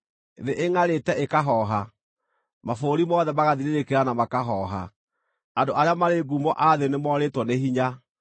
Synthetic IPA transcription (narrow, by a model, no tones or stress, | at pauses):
ðeʔeŋaɾetɛʔekaɦɔɦa | mafoɾimɔðɛmaɣaðiɾeɾekeɾanamakaɦɔɦa̰ | andoʔaɾeamaɾeɡumɔʔaðenemɔːɾetwɔneɦiɲa